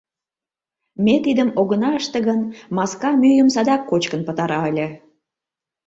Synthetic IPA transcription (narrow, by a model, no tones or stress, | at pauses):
met̪id̪əmoɣənɑəʃt̪eɣənmɑskɑmyjəmsɑd̪ɑkːot͡ɕkənpət̪ɑɾɑəlʲə̆